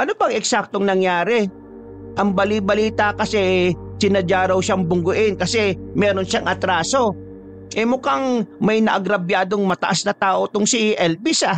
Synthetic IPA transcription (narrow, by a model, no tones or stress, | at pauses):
ʔɐnobɐŋɛksak̚t̪o̞ŋnɐŋjaːɾɛ | ʔɐŋbɐlibɐliːt̪ɐkɐsɛsɪnɐd͡ʒaːɾɐwʃaŋbʊŋɡʊʔɪnkɐsɛmɛːɾo̞nʃaŋʔɐt̪ɾaːso̞ | ʔɛmʊkaŋmɐjnɐʔɐɡɾɐbjaːd̪o̞ŋmɐt̪ɐʔasnɐt̪aːʔo̞t̪ʊŋsɪʔɛlbisa